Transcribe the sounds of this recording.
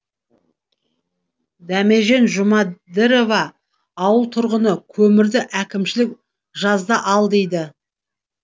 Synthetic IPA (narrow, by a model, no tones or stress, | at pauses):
d̪æme̞ʒe̞nʒʊmɑd̪ɪɾo̞vɑː | wəlˠt̪ʰʊɾʁənəkʲʰɵmɪɾd̪ɪʔækʲɪmʃɪlɪk̚ | ʒɑzd̪ɑʔɑlˠd̪e̞jd̪ɪ